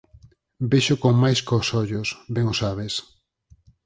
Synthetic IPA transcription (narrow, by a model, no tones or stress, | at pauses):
beʃokoŋmajskosɔʎʊsbɛŋosaβes